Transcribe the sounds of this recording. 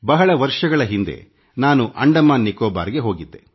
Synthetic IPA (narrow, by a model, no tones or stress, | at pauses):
bɐɦɐɭɐʋɐɾʂɐɡɐɭɐɦind̪ḛ | naːnuʔɐɳɖɐmaːnːikoːba̰ːɾɡe̞ɦo̞ːɡid̪ːe̞̰